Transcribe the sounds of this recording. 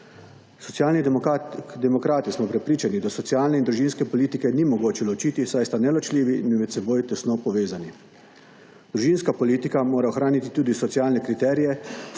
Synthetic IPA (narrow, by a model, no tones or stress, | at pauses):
sɔt̪sjaːlni | d̪ɛmɔkɾaːt̪ismɔpɾɛpɾiːt͡ʃanid̪asɔt̪sijaːlnɛind̪ɾuʒinskɛpɔliːt̪ikɛnimɔɡoːt͡ʃɛlɔt͡ʃiːt̪isajst̪anɛlɔt͡ʃliːʋiinmɛt̪sɛboːjt̪ɛsnoːpɔʋeːzani | d̪ɾuʒinskapɔliːt̪ikamoːɾaɔxɾaːnit̪it̪uːd̪isɔt̪siaːlnɛkɾit̪ɛːɾijɛ